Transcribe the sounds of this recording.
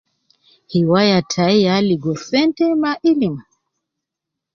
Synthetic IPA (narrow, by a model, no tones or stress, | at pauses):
hiwajatʰaialiɡɔsɛntɛmaʔilima